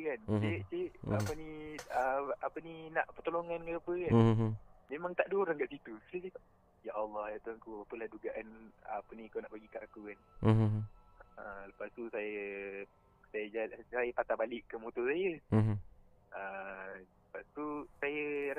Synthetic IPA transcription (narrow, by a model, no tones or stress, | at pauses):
kant͡ʃet͡ʃeʔapəniəapəninaʔpət̪oloŋankəapəkanmemãŋt̪aʔduɾaŋɡaʔsit̪usəsit̪ | jaʔɑlːɑhjat̪uaŋkuapəlahduɡaʔanəpənikanaʔpaɡikaʔakukan | ələpast̪usajə | sajəd͡ʒasajəpat̪abalɪʔːəmot̪osajəɦ | ʔə | ləpast̪usajə